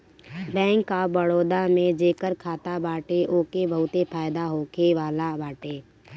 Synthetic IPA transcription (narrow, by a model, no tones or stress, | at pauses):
bɛ̃ːŋkːabəɽoːd̪amẽd͡ʒeːkəɾkʰaːt̪abaːʈeʔoːkebʱəɦʊt̪epʰaːɪd̪aɦoːkʰeʋaːlabaːʈeː